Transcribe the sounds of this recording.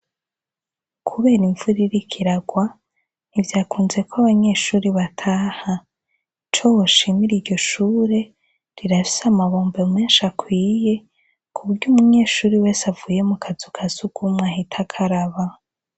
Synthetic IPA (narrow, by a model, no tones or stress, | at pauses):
kʰuβe̞ːɾiɱvuɾiɾikʰiɾaɡwa | nivjaːkuːnze̞koaβaɲe̞ːʃuːɾiβatʰaːha | t͡ʃo̞woʃimiɾiɾɟo̞ʃuːɾe̞ | ɾiɾafi̥samaβo̞ːmbeme̞ːnʃakwiːje̞ | kʰuβuɾɟuːmuɲe̞ːʃuːɾiwe̞ːsavuːje̞mukʰazukʰazuɡumŋwahitʰakʰaɾaβa